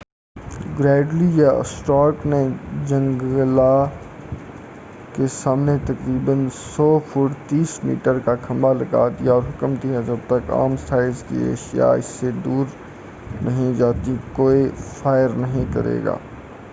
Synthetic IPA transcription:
ɡɾɛːɖlijeə̰sʈɔːɾkned͡ʒɐ̃ŋɡla | kesaːmnet̪ɐkɾiːbənsɔːfʰuːʈt̪iːsmḭːʈəɾkakʰɐ̃mbalɐɡa̰ːd̪ijaɔːɾɦʊkəmt̪iɦɛ̃d͡ʒɐb̚t̪əka̰ːmst̪ʰaːɪzkḭḛːʃija̰ɪsːed̪uːɾ | nɐɦĩd͡ʒaːt̪ikoːifaːɪəɾnɐɦĩkɐɾḛːɡa̰ː

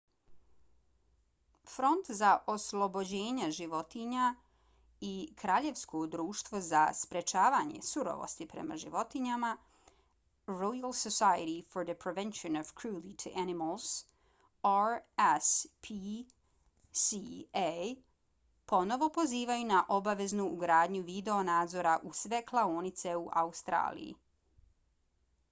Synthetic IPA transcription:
fɾo̞nt̪zaʔoslˠobo̞d͡ʑe̞ːɲaʒiʋo̞t̪iɲa | ikɾaːʎe̞ʋskʰod̪ɾuːʃt̪ʋozaspɾe̞t͡ʃaːʋaːɲe̞̰suɾo̰ʋo̰st̪ipɾe̞̰ma̰ʒḭʋo̞t̪iɲama | ɾojalˠsosajəɾifoɾd̪əpɾeʋenʃonoʋkʰɾuːlit̪ʰuʔanimalˠs | aɾɛspʰi | sie | po̞no̞ʋo̞po̞ziːʋajunaʔo̞baʋe̞znuːɡɾaːd̪ɲuʋid̪eo̞naːd̪zo̞ɾaʔusʋe̞klˠaoːnit̪se̞uʔa̰ust̪ɾa̰ːlḭjḭ

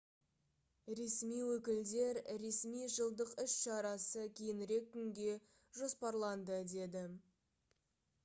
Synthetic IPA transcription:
ɾe̞smijwɵkʲɪld̪e̞ɾɾe̞smijʒəlˠd̪əqʏʃʃɑɾɑsəkʲʰejɪnɪɾe̞kʲːʏŋɡʲe̞ | ʒo̞spɑɾlˠɑnd̪əd̪e̞d̪ɪ

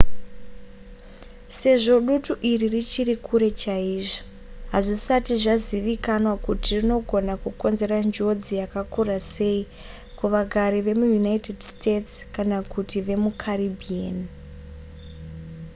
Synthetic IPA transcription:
se̞ʐo̞ɗutuʔiririt͡ʃirikʰuɾe̞t͡ʃaiʐo̥ | ɦaʐisatiʐaziʋikanwakutirino̞ɡʱo̞nakuko̞nze̞ɾand͡ʒo̞d͡zijakakurase̞i | kuʋaɡʱaɾiʋe̞mujunaite̞dstʰetskanakutiʋe̞mukʰaribʱian

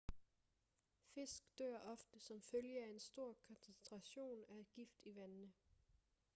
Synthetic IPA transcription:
fe̝sɡ̥d̥øɐ̰ʔɒ̽fd̥əsɒ̽mføljəæe̝nsd̥o̝ɐ̰kʰɒ̽nsent͡sʰʁɑ̈ɕo̝̰ːnæed̥ɡ̥ifd̥iʋænnə

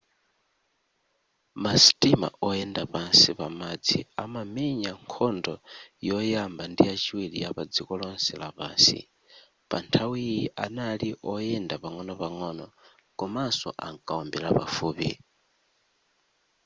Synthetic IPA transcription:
mastima̰ʔɔjɛndapansipamad͡ziamamiɲaŋkʰɔndɔjɔjambandijat͡ʃiwilḭjapad͡zikɔlɔnsɛlapaːnsḭ | pantʰawijiʔanaliʔɔjɛndapaŋɔnɔpaŋɔnɔ | ɡɔmasɔ̰ʔaŋkʼaɔmbɛɾapa̰fuːpḭ

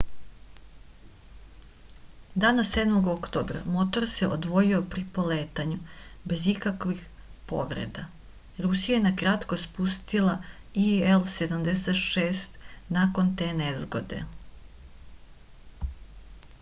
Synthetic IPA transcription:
d̪aːnased̪mo̞ɡokt̪oːbɾa̰mo̞t̪o̞ɾseʔod̪ʋo̞jio̞pɾipo̞leːt̪aɲube̞zikakʋix | po̞̰ʋɾḛd̪a | ɾusijajenakɾat̪ko̞spust̪ila | ielse̞d̪amd̪eset̪ʃeːst̪nako̞nt̪eːnezɡo̞d̪e̞̰

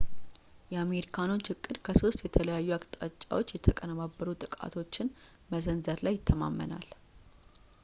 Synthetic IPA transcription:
jɛame̞ɾikʰano̞t͡ʃːhɨkʼːɨd̪kʰəso̞st̪jɛt̪ʰələjajːuakʼt̪ʼat͡ʃʼːa̰wo̞t͡ʃːjɛt̪ʰəkʼənəβabːəɾut̪ʼɨkʼa̰t̪ʰo̞t͡ʃːɪn | məzənzəɾlajːɪt̪ʰːəma̰mːə̰na̰l

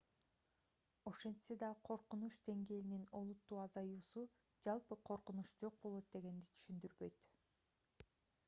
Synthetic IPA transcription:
o̞ʃe̞nd̪se̞d̪ɑqʰo̞ɾqunuʃd̪e̞ŋɡe̞ːlinino̞lˠut̪ːuːɑzɑjuːsu | d͡ʒɑlˠpɯqʰo̞ɾqunuʃd͡ʒo̞q̚bo̞lˠo̞t̪̚d̪e̞ɡe̞nd̪it̪ʰy̥ʃynd̪yɾbø̞jt̪

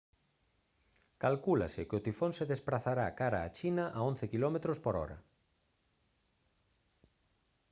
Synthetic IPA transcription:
kalkula̰sɪkɪʊt̪ifonsɪðespɾaθaɾakaɾa̰ːt͡ʃinɐʔaon̟θɪkilɔmet̪ɾospoɾɔ̰ɾɐ̰

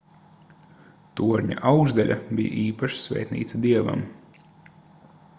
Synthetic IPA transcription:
t̪uɔɾɲa̰ʔawɡzd̪alʎʲʔa̰bʲija̰ʔiːpaʃsvʲɛ̰ːjt̪nḭːt̪sd̪iɛva̰m

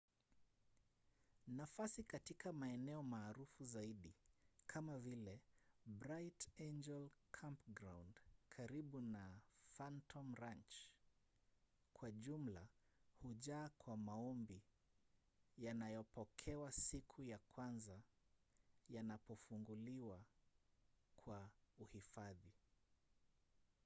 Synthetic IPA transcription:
nafasikatikʰamaɛnɛɔmaːɾufuzaiɗikʰamavilɛbɾajtend͡ʒɛlkʰampɡɾawndkʰaɾiɓunafantʰɔmɾant͡ʃ | kwaʄum̩la | huʄaːkwamaɔmbi | janajɔpɔkʰɛwasikʰujakwanza | janapɔfuŋɡuliwa | kʰwauhifaði

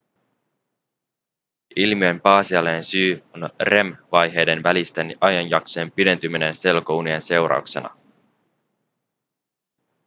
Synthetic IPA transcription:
ilmie̞mpɑːsiɑlːensyːonre̞mʋɑjɦe̞jde̞nʋælist̪enʔɑjɑnjɑkse̞ːmpide̞nt̪ymːine̞nse̞lko̞unie̞nse̞wɾɑ̰ukse̞̰nɑ̰

